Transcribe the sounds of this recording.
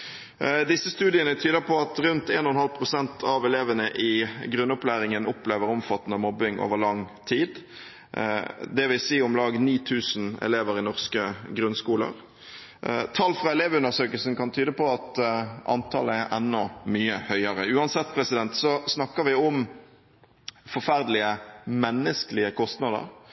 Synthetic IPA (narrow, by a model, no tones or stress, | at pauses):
d̪ɪsːəst̪ʉːd̪ɪənət̪ʰyːd̪əpʰɔɑt̪ɾʉnt̪ḛːnɔhɔnhɑlpʰɾʊsɛnt̪ʰɑʋɛleːʋənəʔɪɡɾʉnːʊplæːɾɪŋənʊpleːʋəɾɔmfɑt̪ːnəmɔbɪŋʔo̰ːʋəʁlɑŋt̪ʰiːd̪ | d̪ɛʋɪsiːʊmlɑːɡniːt̪ʰʉːsn̩ɛ̰leːʋəɾɪnɔʁskəɡɾʉnskuːlə̰ɾ | t̪ʰɑlːfʁɑɛleːʋʉnəsøːkəlsn̩kɑnt̪ʰyːd̪əpɔɑt̪ʔɑ̰nt̪ʰɑ̰ləɛɾʔɛnːɔmyːəhœʏəɾəʉːɑnsɛt̪ːpʰɾɛsɪd̪ɛnt̪sɔsnɑkːəʋɪʊm | fɔɾfæɾd̪əlɪəmɛnːəskəlɪəkʰɔst̪nɑd̪ə̰ɾ